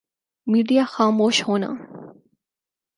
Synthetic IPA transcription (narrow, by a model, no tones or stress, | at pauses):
miːɖijaxaːmoːʃhoːna̰ː